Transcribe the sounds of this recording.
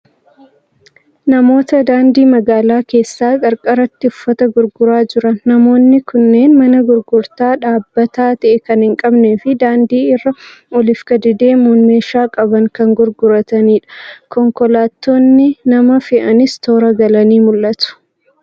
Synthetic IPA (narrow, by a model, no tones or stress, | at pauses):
nɐmo̞ːt̪ɐd̪aːnd̪iːmɐɡaːlaːke̞ːsːaːkʼɐɾkʼɐɾɐt̪ːɪʊfːɐt̪ɐɡʊɾɡʊɾaːd͡ʒɪɾɐnːɐmo̞ːnːɪkʊnːe̞ːnmɐnɐɡʊɾɡʊɾt̪aːᶑaːbːɐt̪aːt̪ɐʔɛkɐnhɪŋkʼɐbneːfɪd̪aːnd̪iːɪrːɐɔlɪfkɐd̪ɪd̪e̞ːmʊnmeːʃaːkʼɐbɐŋkɐŋɡʊɾɡʊɾɐt̪ɐniːᶑɐ̥kɔŋkɔlaːt̪ːo̞ːnːɪnɐmɐfɪʔɐnɪst̪o̞ːɾɐɡɐlɐniːmʊlːɐt̪ʊ̥